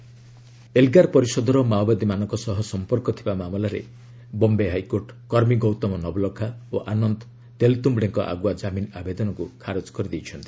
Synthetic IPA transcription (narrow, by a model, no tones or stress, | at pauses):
elɡaɾpɔɾisɔd̪ʱɔɾɔmawbad̪imanɔŋkɔsɔɦɔsɔmpɔɾkɔt̪ʰibamamɔlaɾḛ | bɔmbeɦajkoɾʈkɔɾmiɡɔwt̪ɔmɔnɔbɔlɔkʰaoʔanɔnd̪ɔ | t̪elt̪umbɽeŋkɔ̰ʔa̰ɡuad͡ʒaminabed̪ɔnɔkukʰaɾod͡ʒkɔɾid̪ejt͡ʃʰɔnt̪i̥